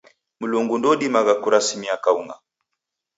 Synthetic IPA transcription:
muluŋɡundɔɗimaɣakuɾasimiakauŋa

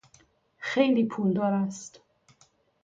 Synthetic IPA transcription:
xejliːpʰuld̪ɒːɾæst̪

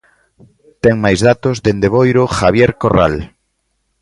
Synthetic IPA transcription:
t̪ɛŋmajzðat̪ozðend̪eβ̞ojɾʊxaβ̞jeɾkora̰l

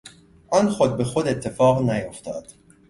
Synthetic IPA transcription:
ʔɒnxod̪̚be̞xod̪e̞t̪ʰːe̞fɒːɣnæjo̞ft̪ʰɒːd̪̥

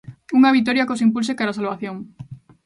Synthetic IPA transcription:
uŋaβit̪̬oɾjakosimpulsekaɾasalβaθjoŋ

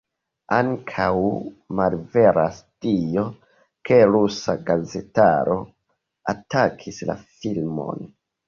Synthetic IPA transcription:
aŋkʰawmalve̞ɾʔastio̞ | ke̞ɾusaɡaze̞ta̰ɾo̞ | atakʰisla̰filmo̞̰n

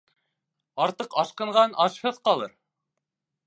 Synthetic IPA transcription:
ɑɾt̪ɤqɑʃqɤ̆ɴʁɑnʔɑʃhɤðqɑlˠɤɾ

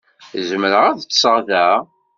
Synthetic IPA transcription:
zəməɾəʁæðət͡sːsəʁðæ

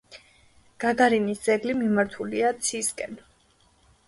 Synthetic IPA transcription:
ɡ̥aɡaɾinisd̪z̥ɛɡlimimaɾt̪ʰuliat̪sʰiskʼɛn

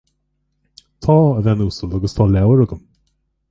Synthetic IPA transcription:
t̪ʰɑːəðɛnuːsəld̪ɔɡəst̪ʰɑːlɛwəɾʊɡəm

